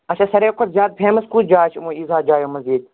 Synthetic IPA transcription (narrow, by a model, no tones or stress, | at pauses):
ɐt͡ʃʰaːsɐɾeːkʰʊt̪zjaːt̪̚pʰẽːmɐskuːd͡ʒaːt͡ʃʰmũːizaːd͡ʒaːjõːmɐziːd̪̚